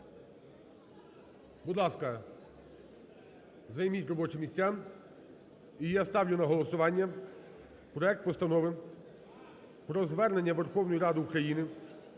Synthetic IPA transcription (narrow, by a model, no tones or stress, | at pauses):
bʊd̪lˠɑskɐ | zɐjmʲitʲrɔbɔt͡ʃɪmʲisʲam | ijast̪ɑwlʲʊnɐɦɔlˠɔsʊʋɑnʲːɐ | pɾɔɛk̚t̪̚pɔst̪ɐnɔʋɪ | pɾɔzʋɛrne̞nʲːɐʋerxɔwnɔjiɾɑd̪ɪukɾɐjinɪ